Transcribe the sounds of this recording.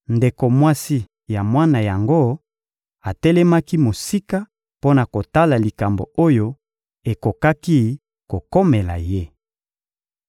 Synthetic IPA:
nde˨ko˨mwa˦si˦ | ja˨mwa˦na˨ja˨ŋɡo˦ | a˨tɛ˦lɛ˦ma˦ki˦mo˨si˦ka˦ | po˦na˨ko˨ta˦la˨li˨ka˨mbo̰˨o˦jo˦ | e˨ko˨ka˦ki˦ | ko˨ko˦me˨la̰˨je˦˨

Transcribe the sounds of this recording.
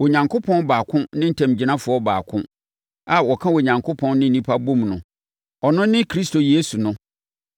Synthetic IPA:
wo˨ɲã˨ŋko˦pʰɔ̃˦nbaː˨kʰʊ̃˦nɪ̃˦n̩˦tʰã˨md͡ʑi˨˦nã˦fʊ˨˦ɔ˦ba̰ː˨kʰʊ̰̃˦ | a˨wɔ˨kʰã˦wo˨ɲã˨ŋkʰʊ˦pʰɔ̃˦nːɪ̃˦n˦nĩ˦pʰa˦bũ˦mnʊ̃˨ | ɔ˨nʊ̃˦nɪ̃˦kʰɾi˦sto˨je˦su˨nʊ̃˦

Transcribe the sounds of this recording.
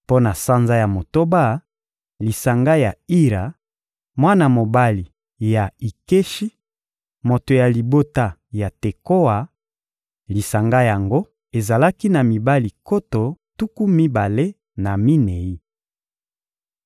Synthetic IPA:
po˦na˨sa˦nza˦ja˨mo˨to˦ba˦ | li˨sa˨ŋɡa˦ja˨i˦ʁa˨ | mwa˦na˨mo˨ba˦li˨ | ja˨i˨ke˦ʃi˦ | mo˨to˨ja˨li˨bo˦ta˦ja˨te˨ko˦a˨ | li˨sa˨ŋɡa˦ja˨ŋɡo˦ | e˨za˨la˦ki˦na˨mi˨ba˦li˨ko˦to˨tu˦ku˦mi˦ba˨le˦ | na˨mi˦ne˨i˦

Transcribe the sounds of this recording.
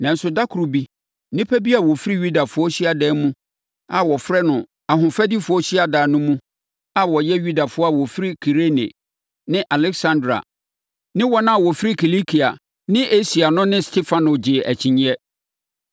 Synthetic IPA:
nã˨n˦sʊ˨da˦kʰu˨ɾu˨bi˦ | nɪ̃˦pʰæ˦bi˦a˨wɔ˨fi˦ɾi˦ɥu˦da˨fʊ˨˦ɔ˦ɕi˦a˨dɛː˦mũ˦ | a˨wɔ˨fɾɛ˦nʊ̃˨ | a˨ɦʊ̃˨fɛ˦di˦fʊ˨˦ɔ˦ɕi˦a˨daː˨nʊ̃˦mũ˦ | a˦wɔ˨jɛ˦ju˦da˨fʊ˨˦ɔ˦a˦˨wɔ˨fi˦ɾi˦kʰi˨ɾe˦nḛ˨ | nɪ̃˦ʔa˨lɛ˦ksã˦ndɾa̰˨ | nɪ̃˦wɔ˦nã˦˨wɔ˨fi˦ɾi˦kʰi˨li˦kʰi˨a̰˨ | nɪ̃˦ʔe˦si˨a˨nʊ̃˦nɪ̃˦stʰe˦fã˦nʊ˨d͡ʑɪ˨ʔæ̰˨t͡ɕʰĩ˨ɲĩ˦ɛ˦

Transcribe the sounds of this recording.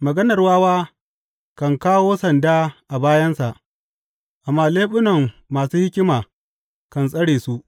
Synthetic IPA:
mɐ˨ɡɐ˦nɐ˨rwaː˦waː˦ | kɐ˨ŋkaː˦woː˦sɐ˨ndaː˦ʔa˨baː˦jɐ˦nsa˨ʔ | ʔa˨mːaː˦leː˦ɓʊ˦nɐ˨ŋːaː˨suː˦hɪ˦kʲɪ˦maː˨ | kɐ˨nsʼɐ˦ɽeː˨su˦ʔ

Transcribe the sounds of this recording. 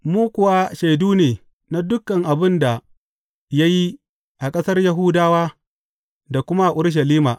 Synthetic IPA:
muː˦kʷʊ˨wa˦ʃa˨jduː˦neː˨ | na˦dʊ˦kːɐ˨ŋʔa˨bɪ˦nda˨ | ja˦ji˦ | ʔa˨kʼɐ˦sɐ˦rjɐ˦ɦʊː˦daː˦waː˦ | da˨kʷʊ˦ma˦ʔa˨ʔʊ˦ɽʃ̬ɐ˨liː˦ma̰˨ʔ

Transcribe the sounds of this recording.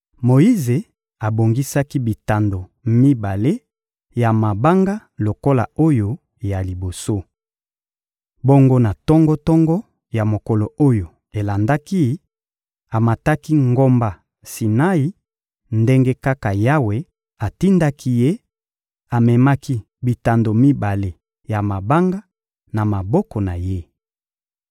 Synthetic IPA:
mo˨i˦ze˨ | a˨bo˨ŋɡi˦sa˦ki˦bi˨ta˨ndo˨mi˦ba˨le˦ | ja˨ma˨ba˦ŋɡa˦lo˨ko˦la̰˨o˦jo˦ | ja˨li˨bo˨so˦ | bo˦ŋɡo˦na˨tɔ˦ŋɡɔ˦tɔ˦ŋɡɔ˦ | ja˨mo˨kɔ˨lo˨o˦jo˨ | e˨la˨nda˦ki˦ | a˨ma˨ta˦ki˦ŋɡo˦mba˦ | si˨na˦i˦ | nde˦ŋɡe˦ka˦ka˨ja˦we˨ | a˨ti˦nda˦ki˦je˦ | a˨mɛ˨ma˦ki˦ | bi˨ta˨ndo˨mi˦ba˨le˨ | ja˨ma˨ba˦ŋɡa˦ | na˨ma˨bɔ˦kɔ˨na˨je˦

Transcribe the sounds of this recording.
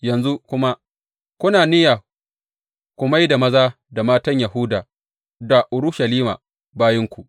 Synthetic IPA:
jɐ˨nzu˦kʷʊ˦ma˦ | kʷʊ˦naː˨nɪ˦ja˨ | kʷʊ˨ma˦jda˨mɐ˦zaː˦ | da˨maː˦tɐ˦ɲjɐ˨hʊ˦daː˨ | da˨ʔʊ˨ɾʊ˦ʃɐ˨liː˦ma̰˨ | baː˦jɐ˦ŋkʷu˨ʔ

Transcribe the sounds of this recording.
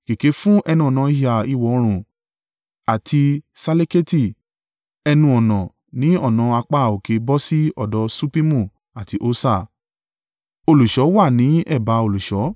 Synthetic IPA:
ke˨ke˨˦fũ˦ʔɛ˧nũ˧ɔ˨nã˨˧i˧hi˨a˨i˧wɔ˨˦˧ɾ̃ũ˨ | a˨tʰi˧sa˧le˦ke˦ti˦˨ | ɛ˧nũ˧ɔ˨nã˨ | nĩ˨˦ɔ˦˨nã˨˧a˧k͡pa˦˨o˨ke˨˦bɔ˦si˦ɔ̰˦˨dɔ˨˧˦su˦pi˦mũ˦˨ | a˨ti˨˦ʔo˧˦sa˦˨ | o˧lu˨ʃɔ˨˦wa˦˨nĩ˨˦ɛ˦˨ba˨˧˦o˧lu˨ʃɔ˨˦

